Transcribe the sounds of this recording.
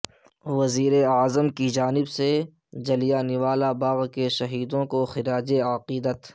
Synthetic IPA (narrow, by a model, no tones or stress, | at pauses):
ʋɐziːɾeaːzəmkid͡ʒaːnɪbse | d͡ʒɐlijaːnɪʋaːlabaːɣkeʃɐɦiːd̪õkoxɪɾaːd͡ʒeaqiːd̪ət̪